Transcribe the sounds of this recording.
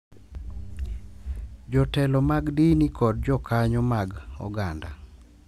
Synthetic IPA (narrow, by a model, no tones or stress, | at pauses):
d͡ʒɔtɛlɔmaɡdinikɔd̚d͡ʒɔkaɲɔmaɡɔ̰ɡanda̰